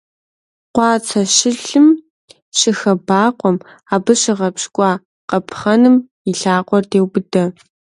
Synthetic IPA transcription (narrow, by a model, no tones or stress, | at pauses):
qʷɑːt͡sʰɐɕɪɬɨm | ɕɪxɐbaːqʷɔm | aːbɨɕɪʁɐpɕkʷʼɑː | qɐpʰχɐnɨm | ɪɬaːqʷʼɔrdeːwbɨdɐ